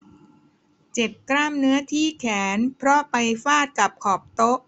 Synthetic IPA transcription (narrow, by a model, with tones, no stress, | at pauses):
t͡ɕe˨˩p̚kɾaː˥˩mnɯ˦˥ɐt̪ʰiː˥˩kʰɛː˩˦npʰɾɔ˦˥pa˧jfaː˥˩t̪̚ka˨˩p̚kʰɔː˨˩p̚t̪o˦˥ʔ